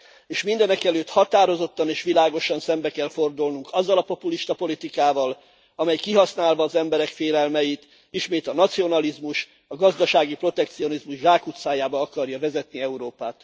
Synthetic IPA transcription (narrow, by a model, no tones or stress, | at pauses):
eːʃmind̪ɛnɛkɛløːt̪hɒt̪aːɾo̞zo̞t̪ːɒneːʃʋilaːɡo̞ʃɒnsɛmbɛkɛlfo̞rd̪ulnuŋkɒzːɒlɒpo̞puliʃt̪ɒpo̞lit̪ikaːvɒl | ɒmɛjkiɦɒsnaːlvɒːzɛmbɛɾɛkfeːlɛlmɛjit̪ | iʃmeːt̪ɒnɒt̪sio̞nɒlizmuʃ | ɒɡɒzd̪ɒʃaːɡipro̞t̪ɛkt̪sio̞nizmuʒʒaːkut̪saːjaːbɒɒkɒrjɒvɛzɛt̪niɛuɾoːpaːt̪